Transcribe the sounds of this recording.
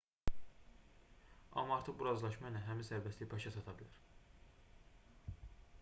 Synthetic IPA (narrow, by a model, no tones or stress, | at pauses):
ɑ̰mɑɑɾt̪ʰɯʁbuɾɑzlˠɑʃmɑjnæɦæminsæɾvæslʲibʰɑʃɑsʰɑt̪ʰɑbilʲæɾ̥